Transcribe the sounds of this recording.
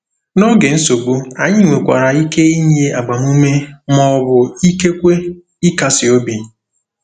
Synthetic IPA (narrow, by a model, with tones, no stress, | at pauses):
no˦ɡe˨n̩˦so˨ɡ͡bu˦a˨ɲɪ˦ŋʷe˨kʷa˨ɾa˨i˦ke˦i˦ɲ˦e˦a˨ɡ͡ba˨m˦u˦me˦mɔ˦βʊ˨i˦ke˦kʷe˦ | i˦ka˨sɪ˨o˦bi˨